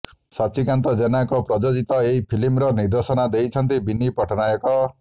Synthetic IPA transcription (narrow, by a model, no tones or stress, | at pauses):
sɔt͡ʃikant̪ɔd͡ʒenajkɔpɾɔd͡ʒod͡ʒit̪ɔeipʰilimɾɔniɾd̪esɔnad̪ejt͡ʃʰʌnt̪ibinːipɔʈʰɔnajɔkɔ